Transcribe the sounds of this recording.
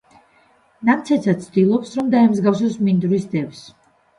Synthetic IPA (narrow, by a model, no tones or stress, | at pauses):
namt̪sʰɛt̪sʰat̪sʰd̪ilˠɔpsɾɔmd̪aɛmzɡafs̬ɔsmind̪ɾisd̪ɛvs